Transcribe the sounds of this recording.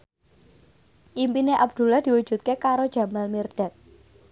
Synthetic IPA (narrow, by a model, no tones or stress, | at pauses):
ʔimpineʔabd̪̥ṳlahd̪̥i̤wud̥ʒ̥ṳt̪̚kekaɾod̥ʒ̥a̤malmird̥ɛ̤t̪̚